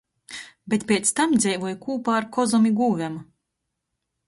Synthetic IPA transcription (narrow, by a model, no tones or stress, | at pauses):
bʲet̪pʲɛt̪st̪amd̪zʲɛjvuɔjkuːpaːɾkɔzɔmʲiɡuːvʲæma